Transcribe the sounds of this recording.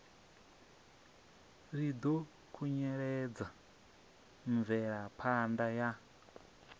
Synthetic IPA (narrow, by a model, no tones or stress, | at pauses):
rid̪ɔ | kʰuɲɛɺɛd͡za | ɱvɛɺapʰandaja